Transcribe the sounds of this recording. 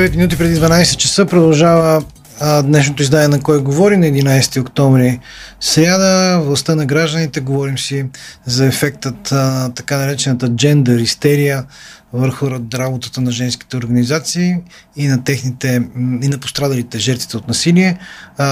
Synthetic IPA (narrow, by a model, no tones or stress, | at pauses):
vɛt̪minut̪̬ipɾɛd̪id̪vɐnajsɛt̪̚t͡ʃɛsɤpɾod̪ɐlˠʒavə | d̪nɛʃ̬not̪oizd̪aniɛnɐkɔjɡovɔɾinɐɛd̪inajsɛ̥t̪iokt̪ɔɱvɾisɾʲjad̪əvlˠɐst̪ənɐɡɾaʒd̪ənit̪ɛɡovɔɾimsizɐɛfɛk̚t̪ət̪t̪ɐkanɐɾɛt͡ʃɛnət̪əd͡ʒɛnd̪əɾist̪ɛɾijəvəɾxʊɾabot̪ə̥t̪ənɐʒɛnski̥t̪ɛoɾɡɐnizat̪siː | nɐt̪ɛxnit̪ɛinɐpo̥st̪ɾad̪ɐlit̪ɛʒɛɾt̪vit̪ɛot̪nɐsiliɛ